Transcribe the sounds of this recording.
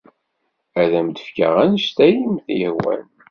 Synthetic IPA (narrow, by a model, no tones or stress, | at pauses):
æðæmd̪əfkə̰ʁænʃt̪æjimθjəhwæ̰n